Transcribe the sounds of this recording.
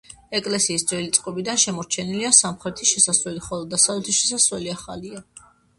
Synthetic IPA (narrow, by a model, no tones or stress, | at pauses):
ɛkʼlɛsiːsd̪zwɛlit̪sʼqʼɔbid̪anʃɛmɔɾt͡ʃʰɛniliasamχɾɛt̪ʰiʃɛsaswɛliχɔlˠɔd̪asavlɛt̪ʰiʃɛsasɾwɛliaχalia